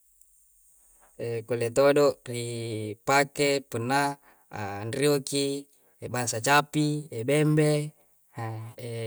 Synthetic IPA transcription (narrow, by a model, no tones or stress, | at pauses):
ekolet̪odoʔripakepunːa̰ː | nrioki | ebaŋsat͡ʃapiebɛmbe | e